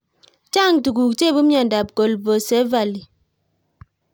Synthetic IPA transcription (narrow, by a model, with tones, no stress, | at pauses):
t͡ʃa˦˨ŋtu˨ɡu˨kt͡ʃe˦˨bu˦mja˨n˨da˨p̚ko˨lbo˨sɛ˦va˨li˨